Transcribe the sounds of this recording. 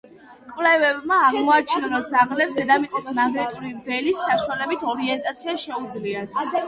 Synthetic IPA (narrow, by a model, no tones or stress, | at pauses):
kʼwvlɛvɛbmaːʁmɔat͡ʃʰinaɾɔd̪zaʁlɛpsd̪ɛd̪amit̪sʼismaɡɾɛt̪ʼuɾibɛlisːaʃwalɛbit̪ʰɔɾiɛnt̪ʼat̪sʰiaʃɛud̪zliat̪ʰ